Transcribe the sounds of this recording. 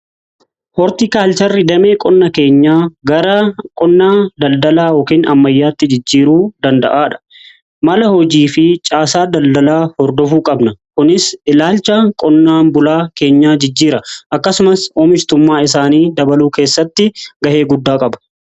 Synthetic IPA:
hɔɾt̪ikaːlt͡ʃɐrːɪd̪ɐme̞ːkʼɔnːɐke̞ːɲːaːɡɐɾɐkʼɔnːaːd̪ɐld̪ɐlaːjɔːkiːnɐ̰mːɐjːaːt̪ːɪd͡ʒɪd͡ʒːiːɾuːd̪ɐnd̪ɐ̰ʔaːᶑɐ̥ | mɐlɐhɔd͡ʒiːfɪt͡ʃʼaːsaːd̪ɐld̪ɐlaːhɔɾd̪ɔfuːkʼɐbnɐkʊnɪsʔɪlaːlt͡ʃːɐkʼɔnːaːnbʊlaːke̞ːɲːaːd͡ʒɪd͡ʒːiːɾɐʔɐkːɐsʊmɐsɔːmɪt͡ʃt̪ʊmːaːɪs̬aːniːd̪ɐbɐluːke̞ːsːɐt̪ːɪɡɐʔe̞ːɡʊd̪ːaːkʼɐbɐ̥

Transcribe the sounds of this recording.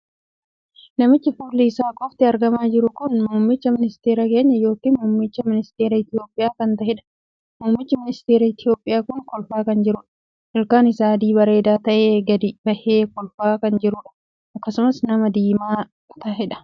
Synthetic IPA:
nɐmɪt͡ʃːɪfʊlːiːsaːkʼɔft̪ɪɐɾɡɐmaːd͡ʒɪɾʊkʊnmuːmːɪt͡ʃːɐmɪnɪst̪eːɾɐke̞ːɲːɐjo̞ːkiːnmuːmːɪt͡ʃːɐmɪnɪst̪eːɾɐɪt̪ɪjo̞ːpʼːɪjaːkɐnt̪ɐɦɪᶑɐ̥ | muːmːɪt͡ʃːɐmɪnɪst̪eːɾɐɪt̪ɪjo̞ːpʼːɪjaːkʊŋkɔlfaːkɐnd͡ʒɪɾʊᶑɐ̥ | ʔɪlkaːnɪsaːd̪iːbɐɾe̞ːd̪aːt̪ɐʔeːɡɐd̪ɪbɐʔeːkɔlfaːkɐnd͡ʒɪɾʊᶑɐ̥ | ʔɐkːɐsʊmɐsnɐmɐd̪iːmaː | t̪ɐɦɛᶑɐ̥

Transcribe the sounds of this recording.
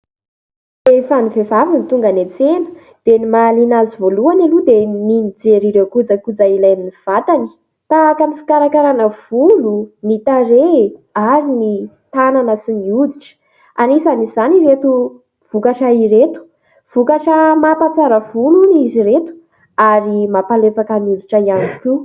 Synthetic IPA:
efanivevavinit̪uŋɡanet͡senə̥ | d̪̥enimalinazivoluanalud̪eminid͡zeɾiɾewkud͡zəkud͡zailajminiv̥at̪ani̥ | t̪aːkənifi̥kaɾakaɾanəv̥ulunit̪aɾeaɾini | t̪ananəsimiud̪iʈ͡ʂə̥ | anisanizaniret̪u | v̥ukaʃaiɾet̪u̥ | v̥ukaʈ͡ʂəmapat͡saɾəvuluniziɾet̪u̥ | aɾimapalefakəniud̪iʈ͡ʂəianiku

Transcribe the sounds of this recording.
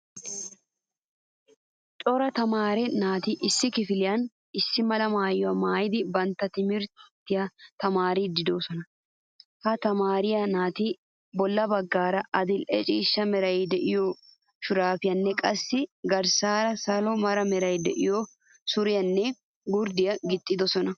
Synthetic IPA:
t͡ʃʼɔɾɐt̪ɐmaːɾɛnaːt̪iːʔɪsːɪkɪfɪlɪjɐn | ɪsːɪmɐlɐmaːjːʊɐmaːjɪd̪ɪbɐnt̪ɐt̪ɪmɪɾt̪t̪ɪjɐt̪ɐmaːɾiːd̪ɪd̪oːsɔnɐ | hɐt̪ɐmaːɾɪjɐnaːt̪iː | bɔlːɐbɐɡːaːɾɐʔɐd̪ɪlʔɛ̰t͡ʃʼiːʃːɐmɛɾɐjid̪ɛʔɪjoː | ʃʊɾaːfɪjɐnːɛkʼɐsːɪɡɐɾsaːɾɐsɐlɔmɐɾɐmɛɾɐjd̪ɛʔɪjo | sʊɾɪjɐnːɛ | ɡʊɾd̪ɪjɐɡɪt̪ʼːɪd̪ɔsɔnɐ

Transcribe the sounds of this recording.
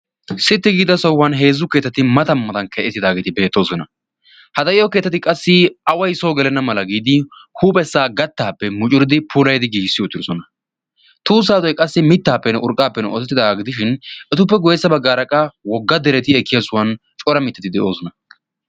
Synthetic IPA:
sɪt̪ːɪɡiːd̪ɐsɔwːɐnɦe̞ːzːʊke̞ːt̪ːɐt̪ɪmɐt̪ɐmːɐt̪ɐnkɛʔɛt̪ːɪd̪aːɡe̞ːt̪ɪbe̞ːt̪ːo̞ːsɔnɐ | hɐd̪ɐʔɪjɔke̞ːt̪ːɐt̪̬ɪkʼɐsːɪɐwɐjso̞ːɡɛlɛnːɐmɐlɐɡiːd̪ɪhuːpʼɛsːaːɡɐt̪ːaːpːɛmʊt͡ʃʼʊɾɪd̪ɪpʰʊlɐjd̪ɪɡiːsːɪjɔʊt̪ːɪɾɔsɔnɐ | t̪uːs̬aːt̪ɔjkʼɐsːɪmɪt̪ːaːpːɛnɛʔʊɾkʼːaːpːɛnɛɔt̪ɛt̪ːɪd̪ɐaɡɪd̪ɪʃ̬ɪnɛt̪ʊpːɛɡɔjɛsːɐbɐɡːaːɾɐkʼɐwɔɡːɐd̪ɛɾɛt̪ɪɛkːɪjɐsʊwɐn | t͡ʃʼɔɾɐmɪt̪ːɛt̪ɪd̪ɛʔo̞ːsɔnɐ

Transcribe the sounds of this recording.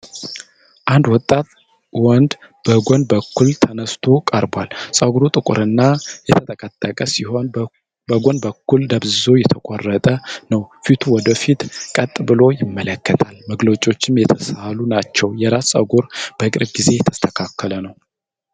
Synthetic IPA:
ʔand̪wɔt̪ʼːat̪ | wɔnd̪ | b̥əɡʷɔnbəkʰːult̪ʰənəst̪ʰokʼəɾbʷalsʼəɡuɾut̪ʼɨkʷʼʊ̰ɾɨnːajɛt̪ʰət̪ʼəkʼət̪ʼːəkʼəsiho̞n | bəɡʷɔnbəkːuld̪əbzo̞jɛt̪ʰəkʼorːət̪ʼənəwfit̪ʰuwɔd̪əfit̪kʼət̪ʼːbɨlo̞jɪmːələkʰːət̪ʰalməɡlot͡ʃʼːo̞t͡ʃːɪmjɛt̪ʰəsalunat͡ʃːɛwjɛɾassʼə̰ɡuɾb̥əkʼɨɾbɡize̞jɛt̪ʰə̥st̪ʰəkʰakʰːələnəw

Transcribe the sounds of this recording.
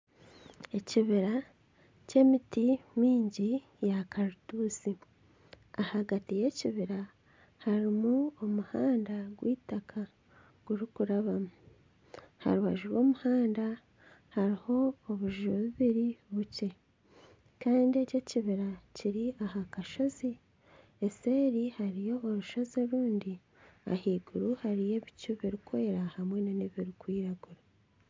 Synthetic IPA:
e̞ciβiɾa | ce̞mitimwiːɲɟi | jakaɾutuːsi | ahaɡatije̞ciβiɾa | haɾimuomuhaːndaɡwiːtakʰa | ɡ̥uɾikuɾaβamu | ha̰ɾuha̰ʒuɾwo̞ːmuhaːnda | haɾiho̞ːβuʒuɾoβiβiɾiβuce̞ | kaːndie̞ce̞ciβiɾaciɾiahakaʃo̞zi | ese̞ːɾihaɾijo̞oɾuʃo̞zoɾuːndi | a̰hiːɡuɾuhaɾije̞βicuβiɾikwe̞ɾahamwe̞naneβiɾikwiːɾaɡuɾa

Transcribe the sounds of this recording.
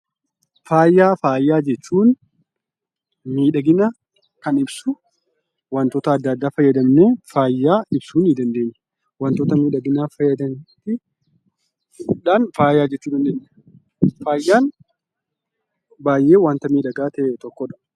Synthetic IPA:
faːjaːfaːjːaːd͡ʒɛt͡ʃːuːn | miːᶑɐɡɪnɐ | kɐnɪbsʊ | wɐnt̪ɔːt̪ɐːd̪ːɐd̪ːaːfɐjːɐd̪ɐmneːfaːjːaːɪb̥suːnid̪ɐnd̪e̞ːɲːɐ̥ | wɐnt̪oːt̪ɐmiːᶑɐɡɪnaːfɐjːɐd̪ɐmt̪ɪ | ᶑaːnfaːjːaːd͡ʒɛt͡ʃːuːd̪ɐnd̪eːɲː | faːjːaːn | baːjʔe̞ːwaːnt̪ɐmiːᶑɐɡaːt̪ɐʔet̪ɔkːɔᶑɐ̥

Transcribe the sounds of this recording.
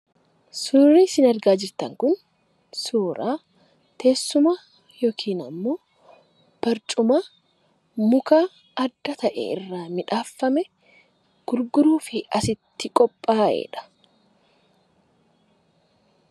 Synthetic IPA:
suːɾiːsɪnɐɾɡaːd͡ʒɪɾt̪ɐŋkʊn | soːɾʔaː | t̪ʰe̞ːsːʊmaː | joːkʰiːnɐmːo̞ː | b̥ɐɾt͡ʃʼʊmaː | mʊkaː | ɐd̪ːɐt̪ɐʔɛ̰ɪ̰rːaːmɪᶑaːfːɐmɛ | ɡ̥ʊɾɡʊɾuːfɪɐsɪt̪ːɪkʼɔpʼːaːʔḛːᶑɐ̥

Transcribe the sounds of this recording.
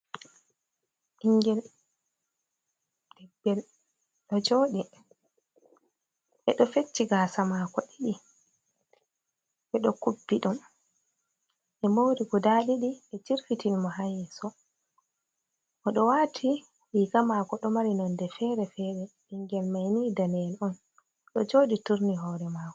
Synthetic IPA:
ʔiŋɡɛl | d̥ɛɡɛl | ɗɔd͡ʒoːɗi | ʔɛɗɔfet͡ʃːiɡasamaːkɔɗiɗi | ɓɛɗɔkubːiɗɔn | ʔɛmowɾiɡudaɗiɗiɛt͡ʃiɾfitinmɔɦajɛsɔ | ʔɔɗɔwatʰi | ɗiːɡamaːkɔɗɔmaɾinɔndɛfɛːɾɛfɛːɾɛɗiŋɡɛlmajnidanɛlɔn | ɗɔd͡ʒoːɗituɾniɦɔːɾɛmaːkɔ

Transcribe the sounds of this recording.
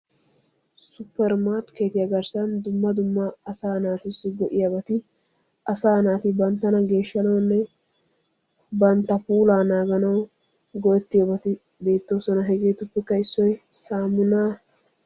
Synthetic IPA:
sʊpːɛɾmaːɾt̪keːt̪ɪjɐɡɐɾsɐnd̪ʊmːɐd̪ʊmːɐːsaːnaːt̪ɪsːɪɡɔʔɪjɐbɐt̪ɪ | ʔɐsaːnaːt̪ɪbɐnt̪ːɐnɐɡe̞ːʃːɐnɐwnːɛ | bɐnt̪ːɐpuːlaːnaːɡɐnɐw | ɡɔjɛt̪ːɪjɐbɐt̪ɪ | be̞ːt̪ːo̞ːsɔnɐɦɛɡeːt̪ʊpːɛkːɐɪsːɔjsaːmʊnaː

